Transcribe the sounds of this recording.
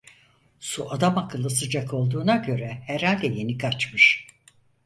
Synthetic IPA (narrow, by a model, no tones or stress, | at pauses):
suʔad̪amakʰɯlˠːɯsɯd͡ʒakʰo̞lˠd̪uːnaɟø̞ɾɛhɛɾhalʲd̪ɛje̞nikʰat͡ʃmɯʃ